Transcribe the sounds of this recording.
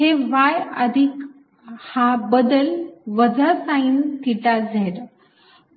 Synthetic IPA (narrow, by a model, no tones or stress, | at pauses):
ɦeʋajəd̪ʱik | hãbəd̪əlʋəd͡zəsãint̪iʈad͡zʱeɾ